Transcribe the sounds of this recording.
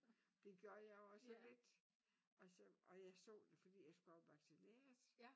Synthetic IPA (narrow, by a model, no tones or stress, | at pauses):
d̥e̝ɡ̥joɐjɑ̈joɒ̽səlle̝d̥ | ɒ̽sɒɒ̽jɑ̈ɪsɔ̰ːd̥e̝fɒd̥ḭːjɑ̈ɪsɡ̥uɒʊʋɑ̈ɡ̥sine̝̰ɐs